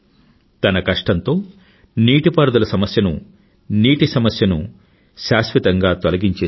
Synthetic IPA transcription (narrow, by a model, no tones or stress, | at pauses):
t̪ɐnɐkɐʂʈɐnt̪o̞ː | niːʈipɐɾd̪ɐlɐsɐmɐsjɐnṵ | niːʈisɐmɐsjɐnu | ʃaːsʋit̪ɐŋɡaːt̪ɐlɐɡiɲt͡ʃeː